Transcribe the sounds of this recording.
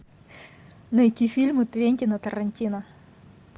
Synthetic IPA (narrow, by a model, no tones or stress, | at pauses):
nɐɪtʲifʲilʲmɨt̪vʲenʲtʲɪnɐt̪ɐɾɐnʲtʲinɐ